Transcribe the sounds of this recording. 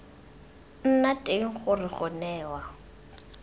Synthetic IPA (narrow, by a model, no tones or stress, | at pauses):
n̩natʼeŋ̩χʊrɪχɔnɛːwa